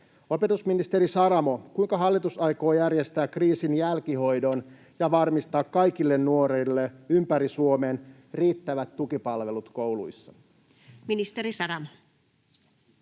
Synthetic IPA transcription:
o̞pe̞t̪usminist̪e̞ɾisɑɾɑmo̞kujŋkɑɦɑlːit̪usɑjko̞ːjærjest̪æːkriːsinjælkiɦo̞jdo̞n | jɑʋɑrmist̪ɑːkːɑjkilːe̞nːuo̞ɾilːeympæɾisuo̞me̞ːn | riːt̪ːæʋæt̪ːukipɑlʋe̞lut̪ko̞wlṵjsːɑ | minist̪eɾisɑɾɑmo

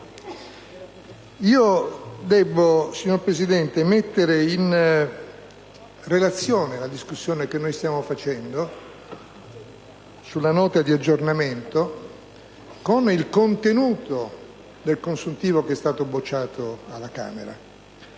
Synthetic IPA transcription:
iːod̪ɛbːosiɲːoɾpɾesid̪ɛnt̪emet̪ːeɾein | relat̪sːjoːnelad̪iskusːjoːnekenːojst̪jaːmofat͡ʃɛnd̪o | sulːanɔːt̪ad̪iad͡ʒːornament̪o | konilkont̪enuːt̪o | d̪elkonsunt̪iːvokeɛst̪aːt̪obot͡ʃːaːt̪oalːaka̰ːmḛɾa̰

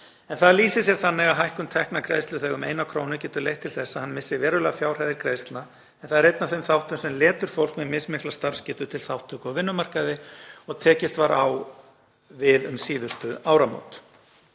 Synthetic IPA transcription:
ɛnθaðliːsɪs̬jɛɾ̥θanːɪɣaɦajhkʏmt̪ʰɛhknakʰɾeːjst̪ʏθɛːɣʏmḛjnakʰɾoːwnʏcɛːt̪ʏɾlejht̪ʰɪlθɛsːaðhanːmɪsːɪvɛːɾʏlɛːɣafjaːwr̥ajðɪɾkʰɾeːjst̪lna | ɛnθaðɛɾejt̪nafθejmθawht̪ʏmsɛmlɛːt̪ʏɾ̥fowl̥kmɛmɪsmɪhklast̪aɾ̥scɪːt̪ʏt̪ʰɪlθawht̪ʰːʏkɔvɪnːʏmar̥kaðɪɔɣt̪ʰɛːcɪst̪vaɾaw | vɪðʏmsiːðʏst̪ʏaːwɾamo̰wt̪

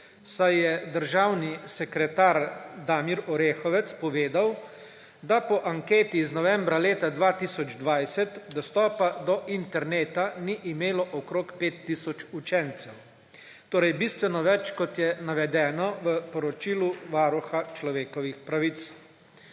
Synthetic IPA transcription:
sajjɛd̪əɾʒaːwnisɛkɾɛt̪aːɾd̪aːmiɾɔɾeːxɔʋɛt̪spɔʋeːd̪aw | d̪apɔʔaŋkeːt̪iznɔʋɛ̃mbɾaleːt̪ad̪ʋaːt̪isɔd͡ʒd̪ʋajsɛt̪d̪ɔst̪ɔːpad̪ɔʔint̪ɛɾneːt̪aniʔimeːlɔʔɔkɾoːkpeːt̪ːisɔt͡ʃut͡ʃɛnt̪sɛw | t̪oːɾɛjbist̪ʋɛnɔʋɛt͡ʃkɔt̪jɛnaʋɛd̪ɛːnɔʋəpɔɾɔt͡ʃiluʋaːɾuxat͡ʃlɔʋeːkɔʋixpɾaʋit̪s

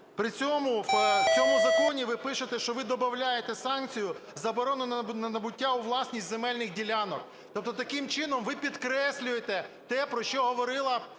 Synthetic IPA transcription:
pɾɪt͡sʲɔmʊt͡sʲɔmʊzɐkɔnʲiʋɪpɪʃʊt̪ɛʃt͡ʃɔʋɪd̪ɔbɐwlʲajet̪ɛsɑnkt͡sʲijʊzɐbɔɾɔnʊnnɐnɐbʊtʲːauʋlˠɑsʲnʲisʲtʲzemɛlʲnɪxdʲilʲanɔk | t̪ɔp̚t̪ɔt̪ɐkɪmt͡ʃɪnɔmʋɪpʲid̪kɾɛsʲlʲʊjet̪ɛt̪ɛpɾɔʃt͡ʃɔɦɔʋɔɾɪlˠɐ

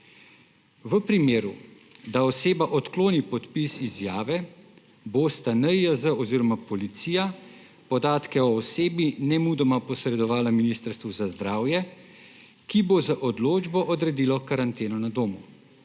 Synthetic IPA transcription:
ʋəpɾimeːɾu | d̪aɔseːbaʔɔt̪kloːnipɔt̪pisizjaːʋɛ | bost̪anəjazəɔziːɾɔmapɔlit̪siːja | pɔd̪aːt̪kɛɔːseːbinɛmuːd̪ɔmapɔsɾɛd̪ɔʋaːlaminiːst̪əɾst̪ʋuzazd̪ɾaːwjɛ | kibozaʔɔd̪loːd͡ʒbɔʔɔd̪ɾɛd̪iːlɔkaɾant̪eːnɔnad̪oːmu

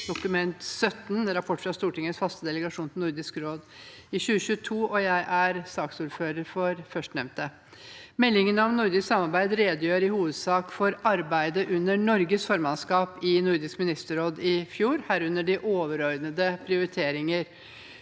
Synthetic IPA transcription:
d̪̥ʊkʉmɛnt̪sœt̪nɾɑpʰɔʈːfɾɑst̪uːʈɪŋːəsfɑst̪əd̪ɛləɡɑʂuːnt̪ʰɪnʊɾd̪ɪskɾoːd̪ɪɕʉːəɕʉːət̪ʰuːʔɔjæɪʔæɾsɑːksuːɾføːɾəɾfɔɾfœʂʈnɛʋnt̪ə | mɛlːɪŋənɑʋnʊɾd̪ɪssɑmɑɾbæɪd̪ɾeːd̪əjøːɾɪhuːʋəd̪sɑːkfɔɾɑɾbæɪd̪əʔʉnːəɳɔɾɡəsfɔːɾmɑnskɑːpɪnʊɾd̪ɪskmɪnɪst̪əɾoːd̪ɪfjuːɾhæːɾʉnːəɖɪʔoːʋəɾɔʏd̪nəd̪əpʰɾɪʊɾɪt̪ʰeːɾɪŋəɾ

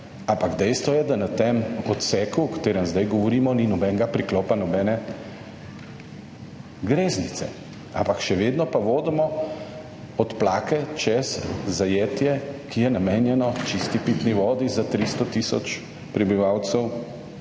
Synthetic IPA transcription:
ampaɡd̪ɛjst̪ʋɔjɛd̪anat̪emɔt̪sɛːkuɔkt̪eːɾəmzd̪ajɡɔʋɔɾiːmɔninɔbɛŋɡapɾiklɔːpanɔbɛːnɛ | ɡɾeːznit̪sɛ̰ | a̰mpakʃɛʋeːd̪nɔpaʋoːd̪ɛmɔ | ɔt̪plaːkɛt͡ʃɛszajeːt̪jɛkijɛnameːnjɛnɔt͡ʃist̪ipiːt̪niʋɔːd̪izat̪ɾist̪ɔt̪isɔ̰t͡ʃ | pɾɛbiʋawt̪səw

